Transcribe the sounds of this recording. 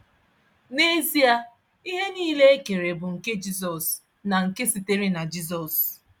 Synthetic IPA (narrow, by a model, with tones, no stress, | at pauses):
ne˦zi˦a˦ | i˦ɦe˦niː˦le˦e˦ke˨ɾe˨bʊ˨ŋ̩˨ke˦d͡ʒi˦s̬ɔ˨s | na˨ŋ̩˨ke˦si˨te˦ɾi˦na˨d͡ʒi˦z̬ɔ˨s